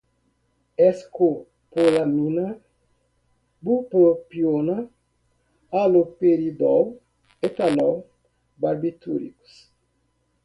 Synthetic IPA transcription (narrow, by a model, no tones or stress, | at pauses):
ɛsko | polaminɐ | bupopionɐ | alopeɾid̪ɔw | et̪alɔw | baɾbit̪ṵɾḭku̥s